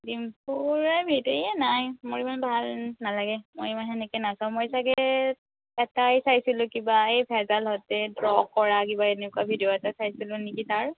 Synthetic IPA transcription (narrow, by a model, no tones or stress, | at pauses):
dimpuɹajbʱiteiɛnajmoɹimanbʱalnalaɡɛmojmanɦɛnɛkɛnasaʊ̃mɔjsaɡɛɛ | ɛtajsajsilʊ̃kibaejpʰɛzalɦɔtɛdɹɔkːɔɹakibaenɛkuabʱidijoɛtasajsilʊ̃nikitaɹ